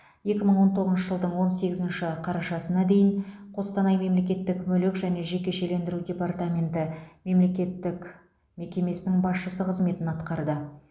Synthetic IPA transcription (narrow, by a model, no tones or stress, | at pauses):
je̞kʲɪməɴwo̞nt̪ʰo̞ʁəznʃəʒəlˠd̪əɴwo̞nse̞ɡʲɪzɪnʃɪqʰɑɾɑʃɑsənɑd̪e̞jɪn | qʰo̞st̪ɑnɑjme̞mle̞k̬ʲe̞t̪ːɪkmɵlɪkʒæne̞ʒe̞kʲe̞ʃe̞le̞nd̪ɪɾudʲe̞part̪amʲe̞nt̪ɪme̞mle̞kʲe̞t̪ːɪk | me̞kʲe̞me̞sɪnɪŋbɑsʃəsəqʰəzme̞t̪ɪnɑt̪qɑɾd̪ə